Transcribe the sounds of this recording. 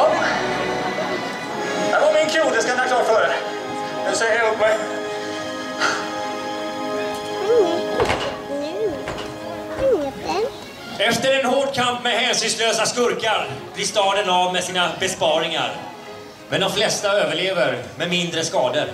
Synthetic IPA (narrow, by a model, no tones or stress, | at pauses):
d̪ɛvamɪnkʰɾuːd̪əskajat̪ʰakʰlɑːɾfœːɾə | ɛd̪sɛjəɾhʊpmɛj | ɛft̪əɾɛnhoːɖkʰampmɛhɛːnsyːnsløːsaskɵɾkaɾblɪːst̪ɑːd̪ənavmɛsiːnabɛspɑːɾɪŋa̰ɾ | mɛnd̪ɔmflɛst̪aøːvəɭeːvəɾmɛmɪnd̪ɾəskɑːd̪əɾ